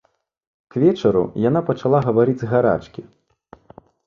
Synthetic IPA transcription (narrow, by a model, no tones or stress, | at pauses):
kvʲɛt͡ʂɐɾṵjan̪apɐt͡ʂalˠaɣɐvaɾɨd͡zʲɣaɾa̰t͡ʂkʲi